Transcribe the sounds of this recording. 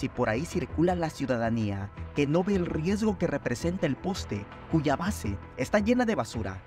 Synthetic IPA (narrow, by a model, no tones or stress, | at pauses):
sipo̞ɾaisiɾkulalasjuðaðaniake̞no̞βe̞ːlrje̞zɣo̞ke̞re̞pɾe̞se̞nt̪aelpo̞st̪e̞ | kuʝaβase̞ːst̪aʝe̞naðe̞βasuɾa̰